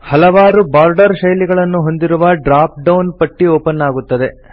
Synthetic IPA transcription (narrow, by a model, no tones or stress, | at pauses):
hɐlɐʋaːɾubaːɾɖɐɾʃɐjliɡɐɭɐnːuɦo̞nd̪iɾuʋɐɖɾaːp̚ɖɐwnpɐʈːioːpɐnːaːɡut̪ːɐd̪e̞